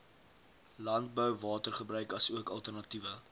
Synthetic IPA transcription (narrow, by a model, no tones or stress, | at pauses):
lɐnt̚bœwvɑːtərχəbrœɥkɐsuəkɐlˠtərnɐtivə